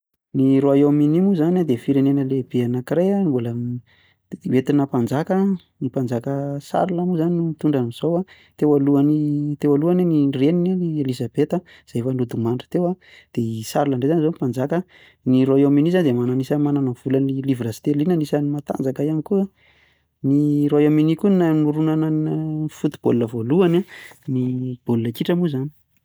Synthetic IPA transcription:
niɾoajowminimuzanad̪efiɾenenəleb̥eanakiɾeanbulə | wet̪inəpand͡zakə | nipand͡zakəsa̰ɾuləmuzaninut̪uɳɖ͡ʐaniz̥owa | t̪ewaluanit̪ewaluaninirenininielizabet̪ə | z̥afanud̪umaɳɖ͡ʐə̥t̪ewa | d̪̥eisaɾulaɳɖ͡ʐezanizomipand͡zakə | niɾoajominizanid̪emananisəmananav̥ulanilivɾast̪elinənisənimat̪a̰nd͡zakaianikua | niɾoajaminikunnanuɾunanafut̪i̥b̥olunəvoluananib̥olunakiʈ͡ʂəmuzani̥

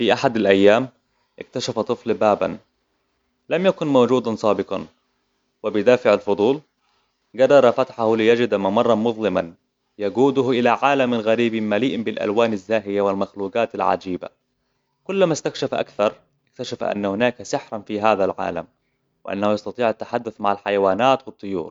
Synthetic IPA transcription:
fiʔaħad̪alʔajːaːm | ʔɪk̚t̪aʃafat̪ˤɨflbaːba̰n | lamjakʊnmowd͡ʒuːd̪ansˤɑːbɪqɑ̰n | wɪbɪd̪aːfɪʕalfʊd̪ˤuːl | ɡɑrˤːɑɾˤɑfat̪ħahlɪjad͡ʒɪd̪amːamɑrˤːɑnmʊðˤlɪman | jaɡuːd̪ʊhʔɪlaʕaːlamalɣaɾiːbimaliːʔbɪlʔa̰lwaːnazːaːɦɪjawɪlmaxluːɡaːt̪alʕa̰d͡ʒiːba̰ | kʊlːmast̪akʃafʔa̰kθɑɾˤ | ɪk̚t̪aʃafʔa̰nːahʊnaːkasɪħɾˤɑnfiɦaːðalʕa̰ːla̰m | wɪʔa̰nːahujɑst̪ɑt̪ˤiːʕat̪ːaħad̪ːʊθmaʕalħajawaːnaːt̪wɨt̪ˤːʊjṵːɾˤ

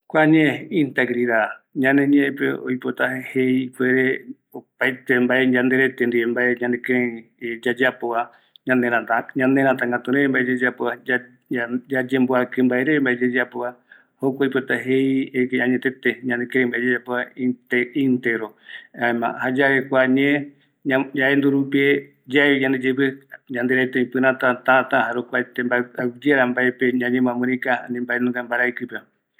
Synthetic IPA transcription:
kʷaɲẽint̪eɡɾiðaɲãnẽɲẽʔepḛo̰jpot̪aheikweɾe | opajt̪embaed͡ʒãnd̪eɾet̪end̪iembaeɲãnd̪ekeɾed͡ʒad͡ʒapoa | ɲãneɾãt̪aɲãnd̪eɾãt̪ãŋɡat̪uɾẽmbaʔed͡ʒed͡ʒapoaa | d͡ʒad͡ʒemboakɨmbaeɾembaʔed͡ʒed͡ʒapoa | hokʷaipot̪aɦejekaɲet̪et̪eɲãnekeɾembaed͡ʒed͡ʒapoait̪eint̪eɾoaemã̰had͡ʒaβekʷaɲẽ | ad͡ʒaend̪uɾupie | d͡ʒaeiɲãnd̪ed͡ʒepeɲãnd̪eɾat̪ẽĩpɨɾãt̪at̪at̪aɦaɾokʷat̪embaad͡ʒeɾambaepeɲãɲẽmãmɨ̃ɾĩkaanĩmbaenũɡambaɾajkɨpe

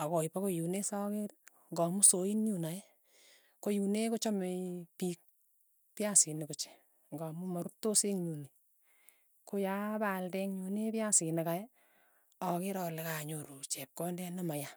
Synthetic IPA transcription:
akɔipakojunesɔkeɾ | ŋɡɔmusoinɲunaje | kojunekot͡ʃɔmepik̚ | pjasinɪkot͡ʃe̥ | ŋɡɔmumɔɾutoseŋɲuni | kojabaldɛŋɲunepjasinekajɛ | ɔkeɾɔlɪkaɲoɾut͡ʃɛp̚kɔndɛnamaja

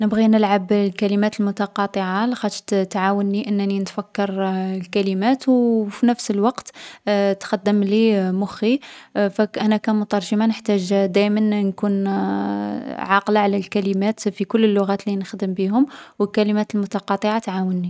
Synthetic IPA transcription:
nəbɣinəlʕablkælimæt̪əlmʊt̪ɑqɑt̪ˤəʕalxæt̪t̪t̪ʕawənːiʔənːninət̪fækːɑɾˤlkælimæt̪wfinəfsəlwɑqt̪t̪xɑd̪ːəmlimʊxifæʔænækæmʊt̪ɑɾˤʒəmanəħt̪æʒd̪æjmənnkun | ʕɑqlaʕlælkælimæt̪fikʊlːəlːʊɣæt̪linəxd̪əmbiɦʊmwəlkælimæt̪əlmʊt̪ɑqɑt̪ˤəʕat̪ʕawənːi

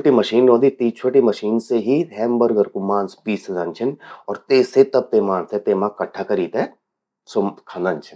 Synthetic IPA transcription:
oʈimɐʃiːnɾõːd̪it̪iːt͡ʃʰoːʈimɐʃiːnseɦiɦɛːmbɐɾɡɐɾkʊmaːnspiːsezant͡ʃʰɪnɔːɾt̪eːset̪ɐb̚t̪eːmaːnset̪eːmãkɐʈʰakɐɾiːt̪ɛ | sokʰanant͡ʃʰɪn

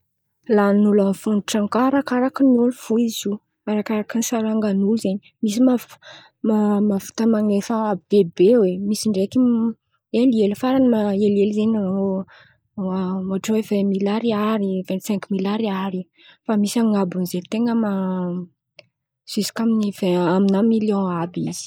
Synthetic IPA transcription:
lanulanfuniʈ͡ʂaŋkaɾakaɾakinulufuizu | aɾakaɾakinisaɾaŋɡanulzeɲi | misima | mamafu̥t̪əmaŋefəab̥ebewemisiɳɖ͡ʐeki | elielifaɾanimaelelzeɲano | amaʈ͡ʂoevɛ̃milaɾiaɾivɛ̃nt̪sɛ̃ŋkmilaɾiaɾi | famisaŋabunizelt̪eŋəma | sisi̥kʲaminivɛ̃aminamiljɔ̃abiz̥i̥

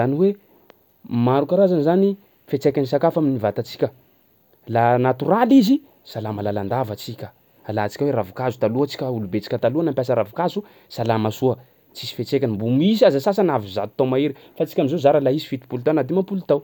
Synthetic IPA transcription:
zaniwe | maɾukaɾazanizani | fet͡sekʲanisakafaminivat̪at͡si̥kʲə | lanat̪uralizi | salamalaland̪avat͡sikʲə | alat͡si̥kʲaweɾavukazut̪aluat͡si̥kʲəulubet͡si̥kʲət̪aluanampʲjasəɾavukazu | salamasuə | t͡sisi̥fet͡sekʲanimbumisiazasas̬anaviza̰t̪ut̪amaiɾi | fat͡si̥kʲamizozaɾalaisi̥fit̪i̥pulut̪awnad̪imapulut̪aw

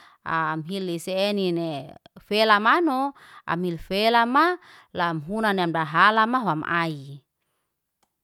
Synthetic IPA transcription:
amɦilːiseːninefelamanɔ | a̰milfelama | lamɦunaneamdaɦalamaɦoamʔa̰i

